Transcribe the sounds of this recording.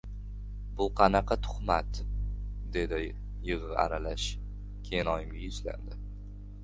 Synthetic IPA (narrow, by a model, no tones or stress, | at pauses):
bʊqʰɑnɑqʰɑt̪ʰʊ̥χmat̪ | d̪e̞d̪ɪ | jɨʁɨa̰ɾalaʃ | kʲʰejɪnɒjɪmɡʲajʊzla̰nd̪ɪ